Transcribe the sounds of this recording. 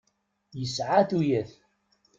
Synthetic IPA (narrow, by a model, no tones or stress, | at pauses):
jəsʕaθujæθ